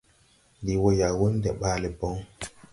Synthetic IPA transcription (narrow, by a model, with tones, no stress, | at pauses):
di˨wo˦ja˨wo˦n˦dɛ˨ɓa˦le˨bɔ˦ŋ